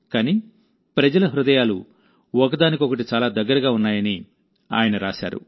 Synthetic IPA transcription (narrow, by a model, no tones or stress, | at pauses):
kaːni | pɾɐd͡ʒɐlɐɦɾud̪ɐjaːlu | ɔk̬ɐd̪aːnikɔkɐʈit͡ʃaːlaːd̪ɐɡːɐɾɐɡaːunːaːjɐni | a̰ːjɐnɐɾaːʃa̰ːɾṵ